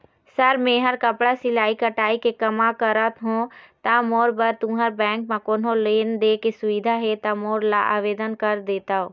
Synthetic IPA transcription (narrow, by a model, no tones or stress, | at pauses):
səɾmẽːɦəɾkəpɽasilaːikəʈaːikekɐmakəɾət̪ɦõt̪amoːɾbəɾt̪ũɦəɾbɛ̃ːŋkmãkoːnoleːnd̪ekesʊʋid̪ʱaɦɛt̪amoːɾlaʔaːʋeːd̪ənkəɾd̪eːt̪aːɦoː